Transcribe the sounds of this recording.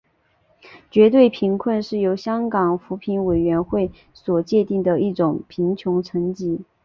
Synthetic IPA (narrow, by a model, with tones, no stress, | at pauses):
t͡ɕɥɛ˧˥t̪we˥˩ɪpʰi˧˥ŋkʰwə˥˧nʂɻ̩˥˩jo˧˥ʊɕjɑ˥ŋkɑ˨˩ŋfu˧˥pʰi˧˥nwe˨˩ɪɥɛ˧˥nxwe˥˩ɪ | swɔ˨˩t͡ɕjɛ˥˧t̪i˥˩ŋd̪ə˩i˥˩ʈ͡ʂʊ˨˩ŋpʰi˧˥ŋt͡ɕʰjʊ˧˥ŋʈ͡ʂʰɤ˧˥ŋt͡ɕi˧˥